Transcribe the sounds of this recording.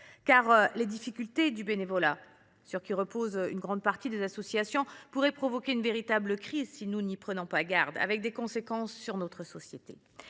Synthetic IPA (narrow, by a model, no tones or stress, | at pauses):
kaʁled̪ifikʲylt̪ed̪ybenevɔla | syʁkʲiʁəpozynɡʁɑ̃d̪̚paʁt̪id̪ezasɔsjasjɔ̃puʁɛpχɔvɔkʲeynveʁit̪abləkχizsinunipχənɔ̃paɡaʁd̪a̰vɛk̚d̪ekɔ̃sekɑ̃sːyʁnɔt̪χəsɔsjet̪ḛ